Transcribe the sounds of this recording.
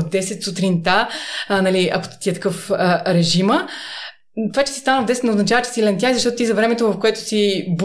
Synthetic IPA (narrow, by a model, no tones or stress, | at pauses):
vd̪ɛsɛt̪sut̪ɾint̪anɐliɐ̰ko̥t̪t̪iɛt̪ɐ̥kɤfəɾɛʒimə | t̪ovat͡ʃɛ̥sist̪anvd̪ɛsɛt̪nɛʊznɐt͡ʃavət͡ʃɛ̥silɛnt̪jaizɐʃt̪ɔt̪ot̪izɐvɾɛmɛt̪ovɐfkoɛt̪ʊ̥sib